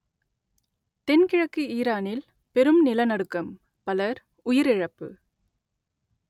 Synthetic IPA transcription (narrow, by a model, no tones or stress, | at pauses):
t̪ɛnkɪɻɐkːiiːɾaːnɪl | pɛɾɯmnɪlɐnɐɽɯkːɐm | pɐlɐɾ | ʊjɪɾɪɻɐpːɯ̰